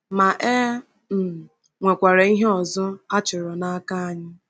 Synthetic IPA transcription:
ma˨ʔe˦ | m̩˨ | ŋʷe˨kʷa˨ɾe˨i˦ɦe˦ɔ˨zɔ˦a˦t͡ʃɪ˨ɾɔ˨na˦a˦ka˦a˨ɲɪ˦

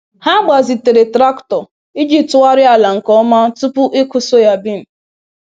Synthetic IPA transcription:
ha˦ɡ͡ba˨zi˨te˨ɾe˨tɾa˦ktɔ˨ | i˦d͡ʒi˦tʊ˦wa˦ɾɪ˦a˨la˨ŋ̩˨kɔ˦ma˦tu˦pʊ˦ʔi˦kʊ˦so˦ja˦bi˦m̩˨

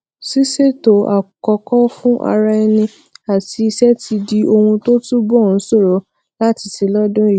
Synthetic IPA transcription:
si˦se˦˨to˨a̰˨kɔ˧kɔ˦fũ˦ʔa̰˧ɾa˧ɛ˧nĩ˧ | a˨ti˨˧i˧sɛ˦tʰi˧di˧o˧hũ˧to˦tu˦bɔ˦˨n̩˨˦so˦˨ɾo˨˦ | la˦ti˧ti˧lɔ˦dʊ̃˦i˦˨˦

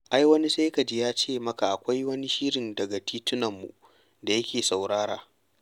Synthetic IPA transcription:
ʔa˦jwɐ˦ni˦sa˦jka˨d͡ʒɪ˦jaː˦t͡ʃeː˦˨mɐ˦ka˨ʔa˨kʷa˦jwɐ˦ni˦ʃi˦ɽɪ˨ndɐ˨ɡa˨tʰiː˦tʊ˦nɐ˨mːṵ˨ | da˨jɐ˦kʲʰeː˨sa˨wɽaː˦ɽa̰ː˨

